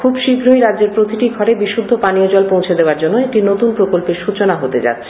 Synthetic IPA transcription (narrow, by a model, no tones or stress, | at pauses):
kʰubʃibʱɾojɾadd͡ʑeɾpɾot̪iʈiɡʱɔɾebiʃud̪ʱːopaniod͡ʑɔlpõw̃t͡ɕʰed̪eaɾd͡ʑonːoek̚ʈinot̪unpɾokolpeɾʃut͡ɕonaɦot̪ed͡ʑa̰t̪ːɕʰe